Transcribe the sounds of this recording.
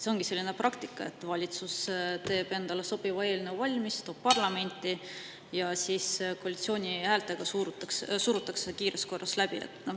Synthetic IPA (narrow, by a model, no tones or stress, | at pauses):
seo̞ŋɡ̥ise̞lːine̞prʔɑkt̪ikːˑɑe̞̰t̪ːˑvɑlʲit̪sust̪e̞ːb̥e̞nd̪̥ɑle̞so̞b̥ivɑeːlʲnevɑlʲmist̪o̞ːb̥pɑrlɑme̞nʲt̪ːˑi | jɑsiːsko̞ːlʲit̪sio̞ːnʲihæːlt̪ːˑe̞ɡ̥ɑsuɾut̪ːˑɑksesuɾut̪ːˑɑksekiːɾe̞sko̞rːʔɑslæbiḛt̪ːnɑ